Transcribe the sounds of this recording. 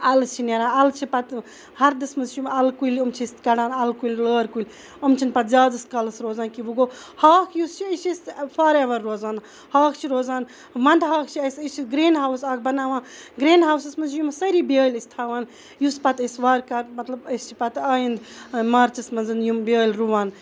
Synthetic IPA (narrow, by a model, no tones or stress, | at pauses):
ɐlɨst͡ʃʰineɾãːɐlt͡ʃʰipɐt̪ | hɐɾd̪ɨsmɐnzt͡ʃʰjumɐlkulɐmt͡ʃʰist̪kɐɽaːnɐlkulʲləːɾkulʲ | ɐmt͡ʃʰinpɐt̪zʲaːdɨskɐlɨsɾoːzaːnkibuɡo | haːkʰjust͡ʃʰiɐsisfʰaɾeʋɐɾːoːzaːn | haːkʰt͡ʃʰiɾoːzaːn | mɐnd̪ɦaːkʰt͡ʃʰiɐsət͡ʃʰiɡɾeːnɦawsaːk̚ʰbɐnaːʋãːɡɾeːnɦawsɐsmɐnzʰjumsɐɾibʲeːlʲist̪ʰaːʋaːn | juspɐt̪ɐsʋaɾkɐʈmɐt̪lɐbəst͡ʃʰi̥pɐt̪aːjind̪mɐɾt͡ʃʰismɐnzɨnjumbʲeːlʲɾuʋaːn